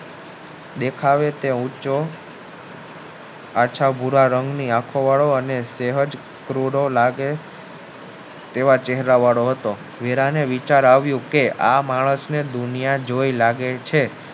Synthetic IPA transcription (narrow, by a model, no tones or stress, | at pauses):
d̪ekʰaʋet̪eut͡ʃo | at͡ʃʰabʱuɾaɾəŋɡniakʰoʋaɭoəneseɦəd͡ʒ | kɾuɾolaɡe | t̪eʋat͡ʃeɦɾaʋaɭoɦət̪o | ʋeɾaneʋit͡ʃaɾaʋjũkeʔamaɭəsned̪unijad͡ʒoilaɡet͡ʃʰe